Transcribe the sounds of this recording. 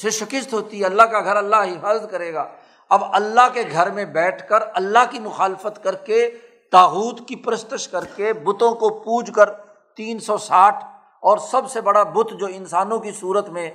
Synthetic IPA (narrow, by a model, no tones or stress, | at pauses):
seʃɪkəst̪ɦoːt̪iɦɛɐlːaɦkaɡʱɐɾɐlːaɦɪfaːzət̪̚kɐɾeːɡaː | ɐbɐlːaɦkeɡʱɐɾmẽbɛːʈʰkəɾɐlːaɦkimʊxaːlɪfət̪kɐɾke | t̪aːɣuːt̪kipɾəst̪əʃkɐɾkebʊt̪õkopuːd͡ʒkəɾ | t̪iːnsɔsaːʈʰ | ɔːɾsɐbsebɐɽabʊt̪ʰd͡ʒoːɪ̃nsaːnõkisuːɾət̪mẽ